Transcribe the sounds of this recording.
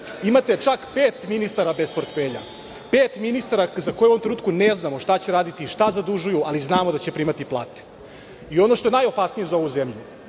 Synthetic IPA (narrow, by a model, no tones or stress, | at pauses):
imat̪e̞t͡ʃakpeːt̪minist̪aɾabe̞spo̞ɾt̪feːʎa̰ | peːt̪minist̪aɾazako̞jeomt̪ɾenuːt̪kuneznamo̞ʃt̪at͡ɕeɾaːd̪it̪iːʃt̪azad̪uʒujualiznaːmod̪at͡ɕepɾiːmat̪iplˠa̰ːt̪e̥ | io̞noʃt̪o̞e̞najo̞pasnijezao̞ʋuzemʎu